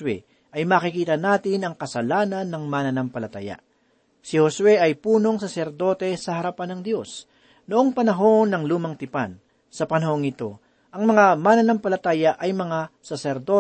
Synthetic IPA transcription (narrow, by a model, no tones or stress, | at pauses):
wɛ̰ | ʔɐjmaːkɪkiːt̪ɐnaːt̪ɪnɐŋkɐsɐlaːnɐnːɐŋmanɐnɐmpɐlɐt̪a̰ːja̰ | sɪhoswɛʔɐjpuːno̞ŋsɐsɛɾd̪o̞ːt̪ɛsɐhɐɾɐpanɐŋd̪jo̞s | noʔoŋpɐnɐɦo̞nːɐŋluːmɐŋt̪ɪpa̰n | sɐpɐnɐho̞ŋɪt̪o̞ | ʔɐŋmɐŋamanɐnampɐlɐt̪aːjɐʔɐjmɐŋasɐsɛɾd̪o